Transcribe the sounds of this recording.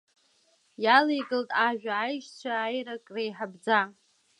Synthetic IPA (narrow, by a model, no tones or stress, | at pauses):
jalejɡɨltʼaʒᶣaːjʃt͡ɕʷʰaːjrakʼrejħabd͡za